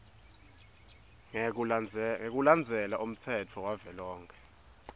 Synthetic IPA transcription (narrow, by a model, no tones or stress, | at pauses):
ŋek̬ʼuland͡zʱɛlaʔum̩t͡sʰɛtʰɔwavɛlɔːŋkʰɛ̥